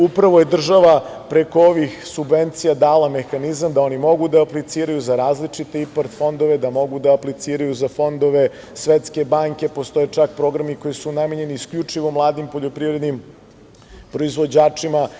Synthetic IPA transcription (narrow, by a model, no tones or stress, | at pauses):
upɾaʋo̞je̞d̪r̩ʒaʋapɾe̞ko̞oʋixsubʋe̞nt̪sijad̪aːlˠame̞xanizamd̪ao̞nimo̞ɡud̪aːplit̪siːɾajuzaɾaːzlit͡ʂit̪iipaɾt̪fo̞nd̪oʋe̞d̪amo̞ɡud̪aːplit̪siːɾajuzafo̞nd̪o̞ʋe̞ | sʋet̪ske̞baːŋke̞po̞st̪o̞et͡ʂak̚pɾo̞ɡɾamiko̞jisunameɲe̞niːskʎut͡ʂiʋo̞mlˠaːd̪impo̞ʎo̞pɾivɾe̞d̪nim | pɾo̞izʋo̞d͡ʑaːt͡ʂima